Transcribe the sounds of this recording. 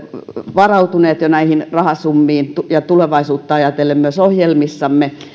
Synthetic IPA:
ʋɑrɑut̪uneːt̪jonæihinrɑhɑsumːiːnt̪ujɑt̪uleʋɑisuːt̪ːɑɑjɑt̪elːˑemmyøsohjelmisːɑmːe

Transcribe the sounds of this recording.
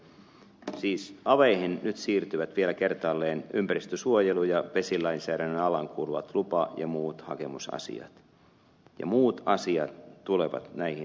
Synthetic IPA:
siːsɑʋeihinnyt̪siːrt̪yʋæt̪ʋielækert̪ɑlːeːnympærist̪øsuojelujɑʋe̞silɑinsæːɾænenɑlɑŋkʰuːluʋɑ̰t̪lupɑjɑ̰muːt̪hɑ̰kemusɑ̰sḭɑ̰t̪ | jɑ̰muːt̪ɑsiɑ̰t̪ːuleʋɑ̰t̪næihi

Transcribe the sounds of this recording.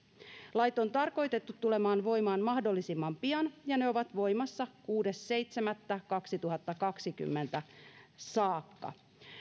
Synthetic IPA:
lɑjt̪o̞nt̪ɑrko̞jt̪e̞t̪ːut̪ːule̞mɑːnʋo̞jmɑːnmɑhdo̞lːisimːɑmpiɑnjɑne̞o̞ʋɑt̪ʋo̞jmɑsːɑkuːde̞sːe̞jt̪semæt̪ːækɑksit̪uɦɑt̪ːɑkɑksiky̰mːe̞nt̪æsɑːkːɑ̰

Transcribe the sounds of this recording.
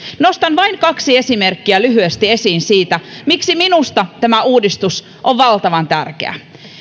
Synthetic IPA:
nost̪ɑnʋɑinkɑksie̞simerkːiælyɦyest̪ie̞siːnsiːt̪æmiksiminust̪ɑt̪æmæuːdist̪us | ʔoʋʋɑlt̪ɑʋɑnt̪æ̰rkḛæ̰

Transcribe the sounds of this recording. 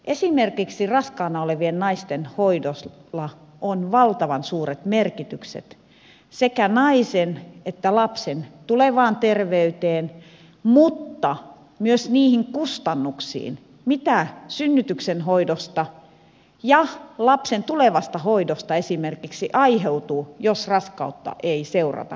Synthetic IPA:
ʔesimerkiksirɑskɑːnɑoleʋiennɑist̪enhoidoslːɑ | ʔonʋɑlt̪ɑʋɑnsuːret̪merkit̪yksḛt̪ | sekænɑisenet̪ːælɑpsent̪uleʋɑːnt̪erʋeyt̪eːn | mut̪ːɑ | myøsniːhiŋkust̪ɑnːuksḭːn | mit̪æsynːyt̪yksenhoidost̪ɑ | jɑlɑpsent̪uleʋɑst̪ɑhoidost̪ɑesimerkiksiʔɑiheut̪uːjosrɑskɑ̰ut̪ːɑ̰ʔeiseurɑ̰t̪ɑ̰

